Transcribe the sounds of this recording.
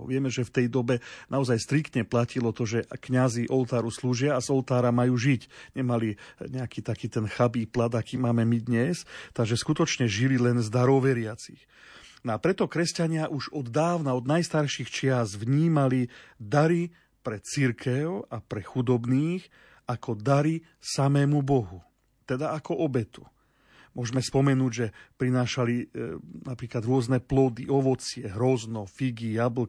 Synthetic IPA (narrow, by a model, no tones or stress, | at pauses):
ʋɪɛmɛʒɛft̪ɛjd̪ɔbɛnaɔzajst̪ɾikt̪ɲɛplacilɔt̪ɔʒɛkɲaziʔɔlt̪aːɾusluːʒɪaːzɔlt̪aːɾamajuːʒicɲɛmaliɲɛakiːt̪akiːt̪ɛnxabiːplad̪akiːmaːmɛmid̪ɲɛst̪aɡʒɛskut̪ɔt͡ʃɲɛʒililɛnzd̪aɾɔwʋɛɾɪat͡six | nɔapɾɛt̪ɔkɾɛscaɲɪaʔuʒɔd̪ːaːʊnaɔd̪najst̪aɾʃixt͡ʃɪazʋɲiːmalid̪aɾi | pɾɛt͡siɾkʰɛʊapɾɛxud̪ɔbniːx | akʰɔd̪aɾi | samɛːmubɔɦu | t̪ɛd̪aakɔʔɔbɛt̪u̥ | mʊɔʒmɛspɔmɛnuːɟʒɛpɾinaːʃalinapɾiːklad̪ɾʊɔznɛplɔd̪iɔʋɔt͡sɪɛɦɾɔznɔfiɡijabl̩